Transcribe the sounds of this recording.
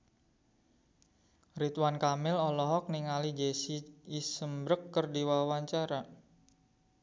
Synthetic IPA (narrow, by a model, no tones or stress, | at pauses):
rit̪wankamɪlɔlɔɦɔk̚niŋalid͡ʒesiːsəmbɾəkːərdiwawaɲt͡ʃaɾa